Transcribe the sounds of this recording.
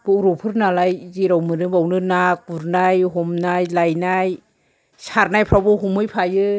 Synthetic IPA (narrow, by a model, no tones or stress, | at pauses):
buɾupʰɯɾnalajziɾowmɯnɯbawnɯnak̚uɾnajɦomnajlajnaj | sʰaɾnajpʰɾabuɦumɯjpʰajɯ